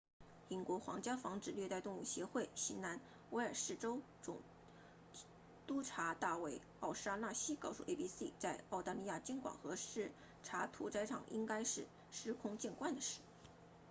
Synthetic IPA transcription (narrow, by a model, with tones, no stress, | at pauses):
i˧˥nkwɔ˧˥xwɑ̰˧˥ŋt͡ɕjɑ˥fɑ˧˥ŋʈ͡ʂɻ̩˨˩lɥɛ˥˧t̪a˥˧ɪt̪ʊ˥˧ŋu˥˩ɕjɛ˧˥xwe˥˩ɪɕi˧˥nna˧˥n | we˧˥ɪə˞˨˩ʂɻ̩˥˩ʈ͡ʂo˥ʊ | t͡sʊ̰˨˩ŋ | t̪u˥ʈ͡ʂʰa˧˥t̪a˥˧we˥˩ɪ | ɑ˥˩ʊʂa˥na˥˩ɕi˥kɑ˥˧ʊʂṵ˥˩ʔḛ˥˧pi˥sḭ˥˧t͡sa˥˧ɪɑ˥˩ʊt̪a˧˥li˥˧ja˥˩t͡ɕjɛ˥nkwa̰˨˩ŋxɤ˧˥ʂɻ̩˥˩ | ʈ͡ʂʰa˧˥t̪ʰu˧˥t͡sa˥ɪʈ͡ʂʰɑ̰˨˩ŋʔi˥ŋka˥ɪʂɻ̩˥˩ | ʂɻ̩˥kʰʊ˥ŋt͡ɕjɛ˥˧nkwa˥˩nd̪ə˩ʂɻ̩˥˩